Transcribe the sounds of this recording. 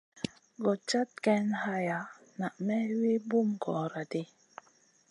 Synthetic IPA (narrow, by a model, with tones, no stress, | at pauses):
ɡɔ˨t͡ʃa˦t̚kɛ˦nha˦ja˨na˨ʔmɛ˦wi˦bu˦mkɔ˨ɾa˨de˦